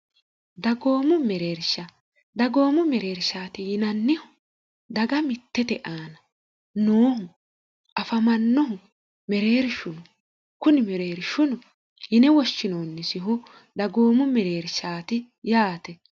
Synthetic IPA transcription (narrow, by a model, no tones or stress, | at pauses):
d̪ɐɡo̞ːmʊmɛɾeːɾʃɐ | d̪ɐɡo̞ːmʊmɛɾeːɾʃaːt̪ɪjɪnɐnːɪhʊ | d̪ɐɡɐmɪt̪ːɛt̪ɛʔaːnɐ | noːhʊ | ʔɐfɐmɐnːɔɦʊ | mɛɾeːɾʃʊnʊ | kʊnɪmɛɾe̞ːɾɪʃʊnʊ | jɪnɛwɔʃːɪnoːnːɪsɪɦʊ | d̪ɐɡo̞ːmʊmɛɾeːɾʃaːt̪ɪ | jaːt̪ɛ